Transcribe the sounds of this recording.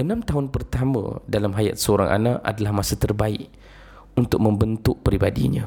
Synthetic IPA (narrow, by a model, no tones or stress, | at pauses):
ənãmt̪aɦʊnpərt̪amə̰̃dalamɦaja̰t̪̚səoɾa̰ŋʔa̰naʔa̰dalahmasat̪ərbaɪʔ | unt̪ʊk̚mə̃mbənt̪ʊʔ̚pɾibadḭɲã